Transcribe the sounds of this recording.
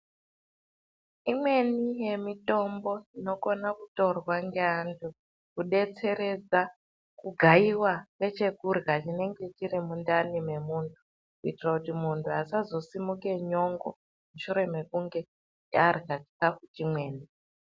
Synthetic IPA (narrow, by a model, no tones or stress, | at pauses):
imwe̞nije̞mito̞mbo̞ino̞ko̞nakuto̞rwaŋɡeantʰu | kuɗe̞t͡se̞ɾe̞d͡za | kuɡʱaiwake̞t͡ʃe̞kurɣat͡ʃine̞ŋɡe̞t͡ʃiɾimundanime̞muːntʰu̥ | kuitirakutimuntʰuasazo̞simuke̞ɲo̞ŋɡo̰ | muʃuɾe̞me̞kuŋɡe̞ | arɣat͡ʃi̥kafut͡ʃimwe̞ːni